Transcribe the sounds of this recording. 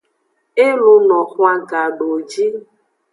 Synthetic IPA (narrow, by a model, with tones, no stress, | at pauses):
e˦lu˧nɔ˨xa˦ɡa˨ɖo˨d͡ʒi˦